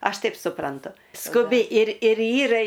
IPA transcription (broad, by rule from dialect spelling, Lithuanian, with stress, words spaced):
ˈɐʃ ˈtɐɪp sʊˈprɐntʊ skʊˈbʲɪ ɪr ɪr ˈiːrɐ